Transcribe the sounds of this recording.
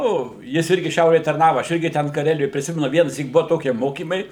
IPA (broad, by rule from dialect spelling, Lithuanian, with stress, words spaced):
ˈnʊ jɪs ˈɪrʲɡʲɪ ˈʃʲɛʊrʲeːj tɐrˈnɑːʋɐ ˈɐʃ ˈɪrʲɡʲɪ tʲɛn kɐˈrʲæːlʲɪjoːj pʲrʲɪˈsʲɪmʲɛnʊ ˈʋʲiɛnɐsʲiːk ˈbuɔ ˈtoːkʲiɛ ˈmoːkʲiːmɐɪ